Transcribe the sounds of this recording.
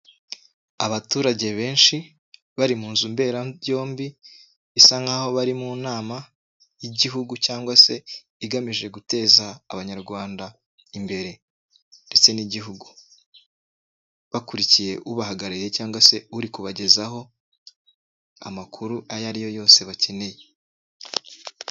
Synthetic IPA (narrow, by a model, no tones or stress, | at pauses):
aβatuːɾaɟe̞βe̞ːnʃi | βaɾimuːnzumbe̞ːɾajo̞ːmbiː | saŋɡaho̞βaɾimuːnaːma | jiɟiɦuɡucaːŋɡwase̞ | iɡamiʒe̞ɡute̞ːzaːβaɲaɾɡwaːnda | imbe̞ɾe̞ | nde̞t͡se̞niɟiɦuɡu | βakuɾicije̞ʔuβaɦaɡaɾaje̞caːŋɡwase̞uɾikuβaɟe̞zaɦo̞ | a̰makʰuɾuajaɾijo̞jo̞ːse̞βace̞ne̞je